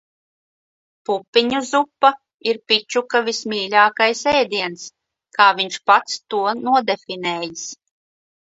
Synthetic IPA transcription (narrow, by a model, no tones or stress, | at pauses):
pupʲːiɲuzupːa | iɾpʲit͡ʃukavismʲiːlʲaːkajsɛːd̪iɛns | kʰaːviɲʃpat̪st̪uɔnuɔd̪efineːjis